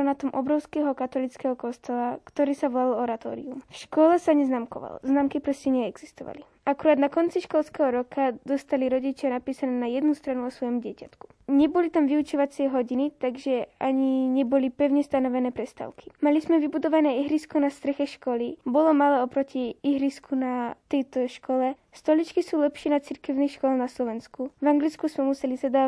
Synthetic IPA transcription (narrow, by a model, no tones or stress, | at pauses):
nat̪ɔmʔɔbɾɔʊskɛɦɔkat̪ɔlit͡skɛɦɔkɔst̪ɔlakt̪ɔɾiːsaʋɔlalɔɾat̪ɔ̰ːɾḭumfʃkɔlɛsaɲɛznaːmkɔʋa̰lznaːmkipɾɔscɛɲɛɛɡz̥ist̪ɔ̰ʋa̰li | akuɾaːd̪nakɔnt͡siʃkɔlˠskɛɦɔɾɔkʰad̪ɔst̪aliɾɔɟit͡ʃɪanapiːsanɛːnajɛd̪nust̪ɾanuɔsʋɔjɔmuɟɪɛcat̪ku̥ | ɲɛbɔlit̪amʋiut͡ʃɔʋat͡sɪɛɦɔɟinit̪aɡʒɛaɲiɲɛbɔlipɛʊɲɛst̪anɔʋɛnɛːpɾɛst̪a̰ːʊkʰi̥malizmɛʋibud̪ɔʋanɛːiɦɾiːskɔnast̪ɾɛxɛʃkɔlibɔlɔmalɛːɔpɾɔciiɦɾiskʰunat̪ɛjt̪ɔʃkɔlɛ | st̪ɔlit͡ʃkisuːlɛpʃɪɛnat͡siɾkɛʊnixʃkɔlanaslɔʋɛnskuvaŋɡlit͡skuzmɛmusɛlizad̪aː